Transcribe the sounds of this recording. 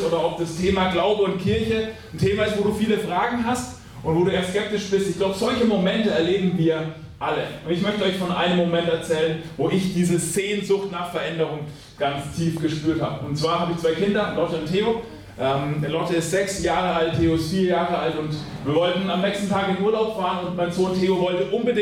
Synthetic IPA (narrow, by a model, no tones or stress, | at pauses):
ʔoːɾɐʔɔp̚d̥astʰeːmaɡlaʊbəʊntkʰɪɐçə | n̩tʰeːmaɪstv̥oːduːfiːləfʁ̥aːɡŋ̩ɦast | ʔʊntvoːduːʔeːɐskɛp̚tɪʃb̥ɪstɪçɡ̥laʊbəzɔlçəmomɛntəɛɐleːbm̩viːɐ | ʔaləʔʊntɪçmœçtəɔʏçfɔnʔa̰ɪnəmːomɛntɛɐt͡sɛːlənvoːʔɪçd̥iːzəzeːnzʊxtnaːχfɛɐʔɛndəʁʊŋ | ɡ̥ant͡stʰiːfɡ̥əʃpyːɐtha̰ːbəʊntt͡sv̥aːɐhaːbəɪçt͡sv̥aɪkɪndɐlɔtəʊntheːo | ʔɛːmlɔtəɪstz̥ɛksjaːʁəaltʰeːoɪstfiːɐjaːʁəʔaltʊnt | viːɐvɔltn̩amnɛːkstn̩tʰaːkɪnʔuːɐlaʊpfaːʁənʊntmaɪnzoːntʰeːovɔltəʔʊnbədɪ